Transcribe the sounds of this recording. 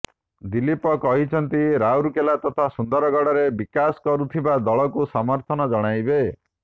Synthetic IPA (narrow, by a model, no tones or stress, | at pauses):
d̪ilipɔkɔɦit͡ʃʰɔnt̪iɾawɾukelat̪ɔt̪ʰasund̪ɔɾɔɡɔɽɔɾebikaskɔɾut̪ʰibad̪ɔɭɔkusamɔɾt̪ʰɔnɔd͡ʒɔɽ̃ajbe